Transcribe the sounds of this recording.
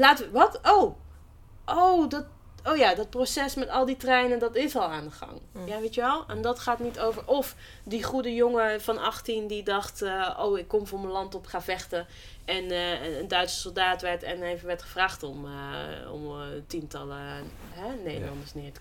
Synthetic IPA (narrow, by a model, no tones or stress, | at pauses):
laːtəʋəʋɑtow | ʔowdɔt | owjaːdɑt̚prosɛsmɛtɑlˠditrɛjnəndɑtɪsɔlˠaːndəχɑ̰ŋjaʋetəʋɛlˠɛndɑtχaːtnitowvəɹʔɔf | diχudəjoŋəfɑnɑχtindidɑχtəʔo̰wɪkːɔmvɔɹməlɑntɔpχaːvɛχtə | ɛnəndœɥtsə̥sɔlˠdaːtʋɛɹtɛ̰nejvəʋɛɹtχəvraːχtɔməɔ̰mtintɑ̰lə | ɦɛnejdə̰lɑ̰ndə˞snɪːɹtə̥